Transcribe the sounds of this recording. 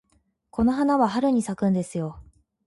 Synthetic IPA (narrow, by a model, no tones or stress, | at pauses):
ko̞no̞ɦanaβaɦaɾɯ̟ɲ̟isakɯ̃nd̪e̞sɨjo̞